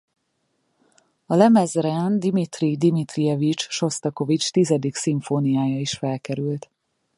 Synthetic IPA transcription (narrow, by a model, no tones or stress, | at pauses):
ɒlɛmɛzrɛnd̪imit̪rid̪imit̪rijɛvit͡ʃʃo̞st̪ɒko̞vit͡ʃt̪izɛd̪iksiɱfonijaːjɒiʃfɛlkɛɾylt̪